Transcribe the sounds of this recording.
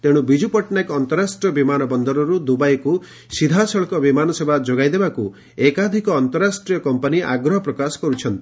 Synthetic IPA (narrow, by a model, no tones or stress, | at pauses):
t̪eɽ̃ubid͡ʒupɔʈnakɔnt̪ɔɾasʈɾiɔbimanɔbɔnd̪ɔɾɔɾud̪ubajku | sid̪ʱasɔɭɔkɔbimanɔsebʱad͡ʒoɡajd̪ebaku | ekad̪ʱikɔːnt̪ɔɾasʈɾijɔkɔmpɔniʔa̰ɡɾɔɦɔpɾɔkasɔ̥kɔɾut͡ʃʰɔnt̪ii̥